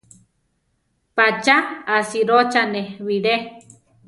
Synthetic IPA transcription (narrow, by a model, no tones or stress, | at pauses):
pat͡ʃaasiɾot͡ʃaneβiɾe